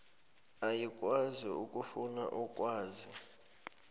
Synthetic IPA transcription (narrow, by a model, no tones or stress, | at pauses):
ajikʼwaziukʼufuna̰ʔukʼwaːzi